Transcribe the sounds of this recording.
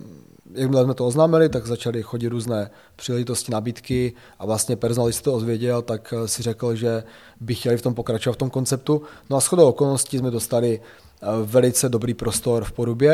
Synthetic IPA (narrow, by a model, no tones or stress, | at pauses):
jaɡmlɛzmɛt̪ooznaːmɪlɪt̪aɡzat͡ʃalɪxoɟɪt̪ɾuːznɛː | pr̥iːlɛʒɪt̪o̞scɪnabiːt̪kɪ | ʔavlast̪ɲɛpɛɾzonalɪsɛ̥t̪ood̪vjɛɟɛlt̪aksɪr̝ɛkl̩ʒɛ | bɪxcɛlɪft̪o̞mpo̞kɾat͡ʃovat̪ft̪o̞mko̞nt͡sɛp̚t̪unoasxodowokolnoscɪzmɛdo̞st̪alɪ | vɛlɪt͡sɛdo̞bɾiːpɾo̞st̪o̞ɾfpoɾubjɛ